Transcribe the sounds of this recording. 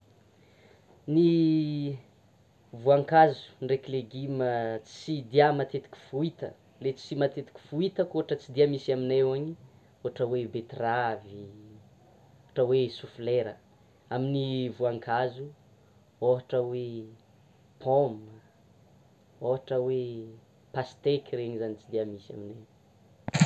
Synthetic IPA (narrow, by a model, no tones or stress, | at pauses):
ni | vuaŋkazu̥nrekileɡimət͡si̥sid̪iamat̪et̪i̥kʲi̥fuit̪ə̰ | let͡si̥simat̪et̪i̥kʲi̥fuit̪əkoɦaʈ͡ʂət͡sid̪iəmisaminewaɲi | oɦaʈ͡ʂəwebet̪ravi | oaʈ͡ʂəwesufleɾə | aminivuaŋkʰazu | oɦaʈ͡ʂəwe | pʰom | oɦaʈ͡ʂəwe | past̪ekʲireɲizanit͡sid̪iamisa̰mine